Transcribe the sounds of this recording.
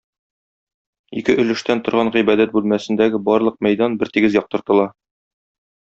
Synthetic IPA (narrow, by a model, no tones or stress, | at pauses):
ikɘʔɵ̆lɘ̆ʃt̪ænt̪ŏɾʁɑɴʁibæd̪æt̪̚bʉlmæsɘ̆nd̪æɡɘbɒɾlˠɤq̚mæjd̪ɑnbɘɾt̪iɡɘzjɒq̚t̪ɤ̆ɾt̪ɤ̆lˠɑ